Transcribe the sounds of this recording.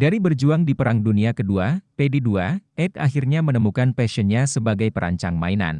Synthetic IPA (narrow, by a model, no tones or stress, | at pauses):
daɾibərd͡ʒuaŋdipəɾaŋduniakəduapediduaʔɛt̪a̰ɦirɲamənəmukanpɛsənɲasəbaɡajpəɾʔa̰ɲt͡ʃaŋma̰ina̰n